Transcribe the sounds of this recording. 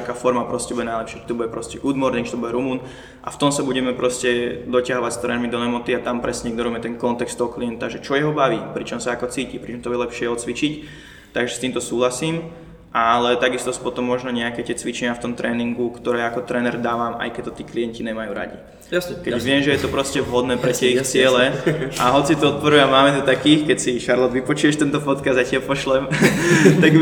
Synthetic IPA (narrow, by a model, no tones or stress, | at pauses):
akaːfɔɾmapɾɔscɛbuɟɛnajlɛpʃɪakɛ̥t̪ɔbuɟɛpɾɔscɛʔuːd̪mɔɾnɛkt̪ɔbuɟɛɾumuːn | ʔa̰ft̪ɔmsabuɟɛmɛpɾɔscɛd̪ɔcaɦɔʋacst̪ɾɛːnɛɾmid̪ɔnɛmɔt̪iat̪ampɾɛsɛɲɛɡd̪ɔɾɔmɛt̪ɛnkɔnt̪ɛkst̪ɔɦɔkliɛnt̪aʒɛt͡ʃɔjɛɦɔbaʋiːpɾit͡ʃɔmsaakɔt͡siːcipɾit͡ʃɔmt̪ɔbuɟɛlɛpʃɪɛɔt͡sʋit͡ʃic | t̪aɡʒɛst̪iːmt̪ɔsuːɦlasiːm | ʔalɛt̪aɡist̪ɔsu̥pɔt̪ɔmːɔʒnɔɲɛakɛːct̪ɪɛt͡sʋit͡ʃɛɲɪaft̪ɔmt̪ɾɛːniŋɡukt̪ɔɾɛːakɔt̪ɾɛːnɛɾd̪aːʋama̰jkɛc̚t̪ɔt̪iːkliɛnciɲɛmajṵːɾa̰ɟḭ | kɛɟʋɪɛmʒɛjɛt̪ɔpɾɔscɛʋɦɔd̪nɛːpɾɛc̪ɪɛixt͡sɪɛlɛʔaɦɔt͡sit̪ɔɔt̪̚pɔɾuamaːmɛt̪ɔt̪akiːxkɛcsiʃaɾlɔd̪ʋipɔt͡ʃujɛʃt̪ɛnt̪ɔpɔt̪kazd̪jacɪapɔʃlɛmt̪aɡ